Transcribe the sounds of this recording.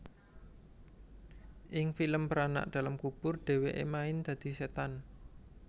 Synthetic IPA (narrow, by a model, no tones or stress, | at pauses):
ʔɪŋfiləmpəɾana̰ʔd̪̥ä̤lamkub̥ʊrɖ̪̥e̤weʔḛmaɪnd̪̥ä̤d̪̥i̤set̪an